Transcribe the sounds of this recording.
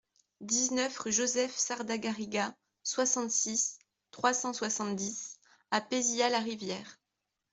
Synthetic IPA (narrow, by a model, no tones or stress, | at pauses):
d̪iznœfʒozɛfsaʁd̪aɡaʁiɡa | swasɑ̃t̪sis | t̪χwasɑ̃swasɑ̃t̪d̪is | apezialaʁivjɛːʁ